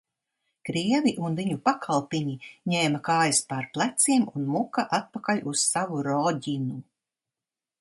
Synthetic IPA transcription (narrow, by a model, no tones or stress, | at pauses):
kɾiɛviʔunviɲupakʰalˠpiɲiɲɛːmakaːjaspaɾplˠæt̪siɛmunmukaʔat̪̚pakalʲussavuɾɔɟʲinu